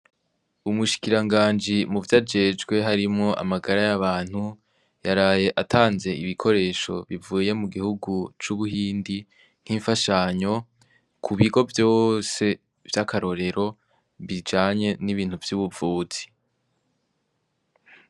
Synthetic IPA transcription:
umuʃi̥kiɾaŋɡaːnd͡ʒimuvjad͡ʒe̞ːd͡ʒɡwe̞ɦaɾimŋo̞ʔa̰maɡaɾajaβaːn̥hu | jaɾaːje̞ʔatʰaːnze̞ʔiβikʰo̞ɾe̞ːʃo̞̰βivuːje̞muɡihuɡut͡ʃuβuhiːndi | ŋ̥hiːɱfaʃaːɲo̞ | kʰuβiɡo̞vjo̞ːse̞ | vjakʰaɾo̞ɾe̞ɾo̞ | βid͡ʒaːɲe̞niβiːn̥huvjuβuvuːt͡si̥

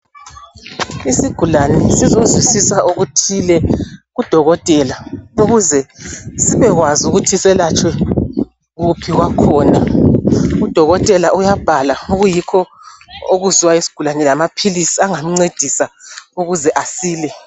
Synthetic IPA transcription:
isiɡ̥ʱulanɛsizozwisisaʔoɣutʰilɛɣud̥ʱɔɣɔtʼɛlauɣuzɛsiβɛɣwazuɣutʰisɛlat͡ʃʼwɛ | ɣupʰiɣwakʰɔːna | ud̥ʱɔɣɔtʼɛlaʔujab̥ʱalauɣujikʰɔoɣuziwaisi̥ɡ̥ʱulanɛlamapʰilisiaŋam̩ŋ͡ǀed̥ʱisauɣuzɛʔasiːlɛ

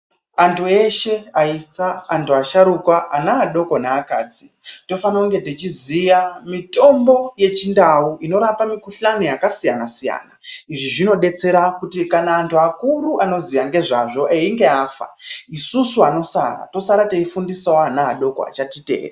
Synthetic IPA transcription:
antʰue̞ʃe̞aisaːntʰuaʃaɾukwaʔanaːɗo̞ko̞naːkaːd͡zi | to̞fanakuŋɡe̞tit͡ʃizijamito̞mbo̞je̞t͡ʃindauʔino̞ɾapamikuɬanijakasijanasija̰ːnaiʐiʐino̞ɗe̞t͡se̞ɾakutikanaːntʰuakuɾuʔano̞zijaŋɡe̞ʐaʐo̞ʔeiŋɡe̞aːfa̰isusuano̞sa̰ɾa̰to̞saɾateifundisaoanaa̰ɗo̞ko̰a̰t͡ʃatite̞̰ːre

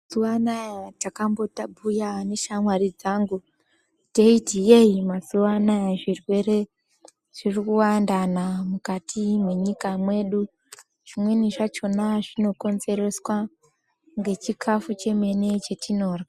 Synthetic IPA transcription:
zuwanajatakambo̞tabʱujane̞ʃamwarid͡zaːŋɡu | deitieimasuwanajaʐirwe̞re̞ | ʐ̥irikuwandanamukatʰimwe̞ɲikamwe̞ɗu | ʐ̥imwe̞niʐat͡ʃo̞naʐino̞ko̞nze̞ɾe̞swa | ŋɡe̞t͡ʃikʰafut͡ʃe̞me̞ne̞t͡ʃe̞tino̞ːra

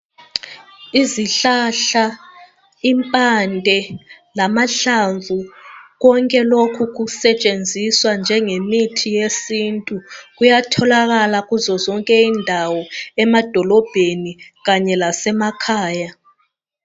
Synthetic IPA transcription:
iziɬaɬa | impʼandʱɛ | lamaɬaɱvʱuɣɔŋkʼɛlokʰuɣusɛt͡ʃʼend͡zʱiswand͡ʒʱɛŋemitʰijesintʼuɣujatʰɔlaɣalaɣuzɔzɔŋkʼɛindʱawɔɛmad̥ʱɔlɔb̥ʱeniɣaɲɛlasɛmakʰaːja

